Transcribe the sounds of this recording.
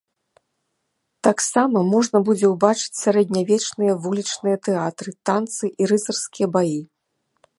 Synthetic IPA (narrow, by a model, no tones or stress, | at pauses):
t̪aksamɐmɔʐn̪ɐbud͡zʲɛwbat͡ʂɨ̥t͡sʲsʲaɾɛd̪̚ʲnʲavʲɛt͡ʂnɨjɐvulʲit͡ʂnɨjɐt̪ɛat̪ɾɨt̪ant̪sɨʔiɾɨzɐrskʲijɐbaji